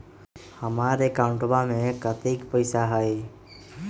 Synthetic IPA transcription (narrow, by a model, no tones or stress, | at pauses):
həmaɾekãʊ̃ɳʈʋamẽkət̪ikpəjsaɦəj